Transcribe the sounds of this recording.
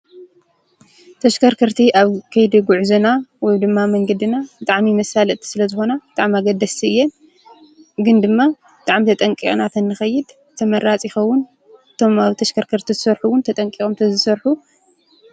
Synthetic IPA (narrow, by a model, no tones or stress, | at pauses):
t̪ʰɐʃkʰɐɾkʰɨɾt̪ʰiʔaβkʰɐjd̪iɡuʕzɐnawɔjd̪ɨmːamɐŋɡɐd̪inabɨt̪ʼaʕmimɐsalʔt̪ʰi̥sɨlɐzɨxo̞nabɨt̪ʼaʕmaɡɐd̪ːɐst̪ʰiɨjːen | ɡɨnd̪ɨmːa | bɨt̪ʼaʕmit̪ʰɐt̪ʼɐŋkʼikʼnat̪ʰɐnːɨxɐjːɪd̪ | t̪ʰɐmɐɾat͡sʼixɐwːʊn | ɨt̪ʰo̞maβt̪ʰɐʃkʰɐɾkʰɐɾt̪ʰizɨsɐɾħuwʊnt̪ʰɐt̪ʼɐŋkʼikʼomt̪ʰɐzɨsɐɾħu